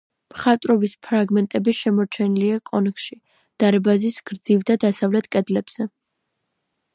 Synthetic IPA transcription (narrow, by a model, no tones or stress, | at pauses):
mχat̪ʼɾɔbispʰɾaɡmɛnt̪ʼɛbiʃɛmɔɾt͡ʃʰɛniliakʼɔnkʰʃi | d̪̥aɾɛbazisɡ̥ɾd̪zivd̪ad̪asavlɛt̪ʰkʼɛd̪lɛb̥z̥ɛ